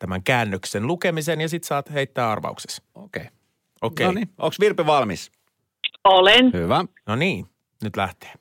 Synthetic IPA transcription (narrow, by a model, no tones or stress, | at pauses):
t̪æmæŋkæːnːøksenlukemisenjɑsit̪sɑːt̪heit̪ːæːɑ̰rʋɑ̰ukse̥sokei | okeinio̰ksʋirpiʋɑlmḭs | olenhyʋæ | noniː | nyt̪læht̪e̥ː